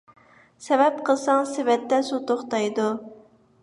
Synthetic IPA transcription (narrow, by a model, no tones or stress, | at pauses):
sɛvɛpqʰəlˠsɑŋsevɛt̪ːɛsut̪oχt̪ɑjd̪u